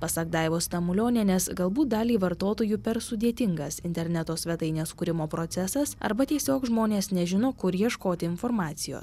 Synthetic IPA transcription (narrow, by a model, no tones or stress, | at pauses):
pɐsɐkd̪ɑɪʋoːst̪ɐmʊlʲoːnʲenʲɛsɡɐlˠbuːt̪̚d̪ɑːlʲiːʋɐɾt̪oːt̪oːjuːpʲɛɾsʊd̪ʲiɛt̪ʲɪŋɡɐsɪnʲt̪ʲɛɾʲnʲæt̪oːsʲʋʲɛt̪ɐɪnʲeːskʊɾʲɪmoːpɾoːt̪sʲɛsɐsɐ̰ɾbɐt̪ʲiɛsʲoːkʒmoːnʲeːsnʲɛʒʲɪnoːkʊɾjiɛʃkoːt̪ʲɪɪnfoːɾmɑːt̪sʲɪjo̰ːs